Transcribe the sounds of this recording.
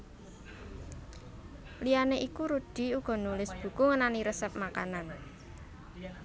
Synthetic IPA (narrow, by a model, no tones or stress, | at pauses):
lianeʔikuɾud̪̥i̤uɡ̥ɔ̤nulɪsb̥ṳkuŋənaniɾəsəp̚maka̰nan